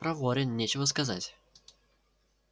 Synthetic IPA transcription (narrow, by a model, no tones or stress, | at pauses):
pɾɐvoɾʲɪnnʲet͡ɕɪvəskɐzatʲ